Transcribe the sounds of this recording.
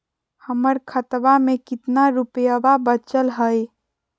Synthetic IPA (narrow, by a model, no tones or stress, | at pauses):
həməɾkʰət̪bamekɪt̪naɾupjəbabət͡ʃəlɦəj